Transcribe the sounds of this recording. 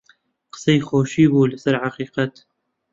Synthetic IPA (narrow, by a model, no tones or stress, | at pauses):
qə̥sˤejxoːʃiːbuːlɪsəɾʕaqiːqɑt̪